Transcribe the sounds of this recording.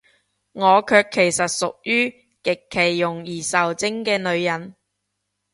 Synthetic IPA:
ŋɔː˨˧kʰœː˧kʰːe˨˩jsɐ˨t̚sʊ˨k̚jyː˥ | kɪ˨kʰːe˨˩jːʊ˨˩ŋjiː˨˩sɐ˨˩wt͡sɪ˥ŋkɛː˧nɵ˨˧ɥjɐ˨˩n

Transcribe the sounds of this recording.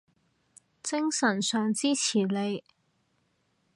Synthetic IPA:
t͡sɪ˥ŋsɐ˨˩nsœː˨˧ŋt͡siː˥t͡sʰiː˨˩le˨˧j

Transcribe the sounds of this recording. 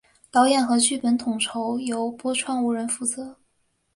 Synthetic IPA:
t̪ɑ˧˥ʊjɛ˨˩nxɤ˧˥t͡ɕʰy˥˩pə˧˥nt̪ʰʊ˨˩ŋʈ͡ʂʰo˧˥ʊjo˧˥ʊpwɔ˥ʈ͡ʂʰwa˥˩nu˧˥˩ɻə˧˥nfu˧˥t͡sɤ˧˥

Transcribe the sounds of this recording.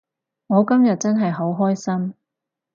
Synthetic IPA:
ŋɔː˨˧kɐ˥mjɐ˨t̚t͡sɐ˥nɦɐ˨jɦo˨˥wɦɔː˥jsɐ˥m

